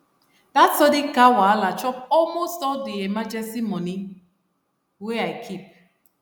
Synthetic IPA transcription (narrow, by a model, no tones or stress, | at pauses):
datsɔdɪkawaalat͡ʃɔpɔlmostɔdiemad͡ʒɛstimɔni | weaɪkʰip̚